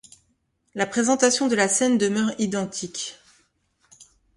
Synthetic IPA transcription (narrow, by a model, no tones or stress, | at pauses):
lapχezɑ̃t̪asjɔ̃d̪əlasɛnd̪əmœʁid̪ɑ̃t̪ʰikʲ